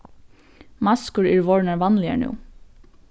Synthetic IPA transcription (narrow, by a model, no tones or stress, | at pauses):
mɑskəɹɛɹʋɔɹnaɹʋɑnlɪa̰nṵː